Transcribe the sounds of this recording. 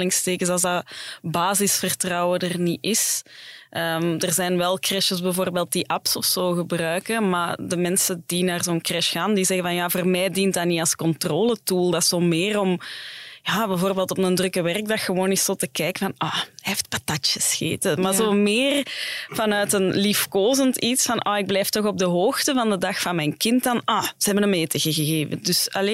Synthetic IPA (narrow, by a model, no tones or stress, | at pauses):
lɪŋsteːkəsɑlˠzdɑbaːzɪsfərtrɑwədərniʔɪsʔəːmdərzɛnʋɛlˠkrɛʃəzbəvoːrbeːlˠt̚diʔɑpsɔfsoːɣəbrœːɥkəma̰ːdəmɛnsədinaːrzoːənkrɛʃxaːndizɛɣənvɑnjaːvoːrmɛːdint̚dɑniɑlˠskɔntroːlətuːlˠdɑsoːmɪːrɔmjaːbɛvoːrbeːlˠtɔpnəndrʏkəʋɛrk̚dɑxəʋoːnɪssoːtəkɛːkəvɑnʔɔɛɪft̚patat͡ʃəsxḛːtəmazoːmɪːrv̥ɑnœːtənlifkoːzəntitsfɑnʔɔɪɡ̚blɛːftɔxɔb̚dəɦoːxtəvɑndədɑxfɑnmɛjnkɪntdɑnʔɔz̥əɦɛbənəmːeːtəɣəɣəɣeːvə̰dʏsɑleː